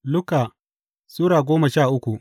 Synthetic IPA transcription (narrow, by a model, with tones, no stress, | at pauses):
lʊ˦ka˨ | suː˦ɽaː˨ɡʷoː˦mɐ˨ʃaː˦˨ʔʊ˦kʷu˨ʔ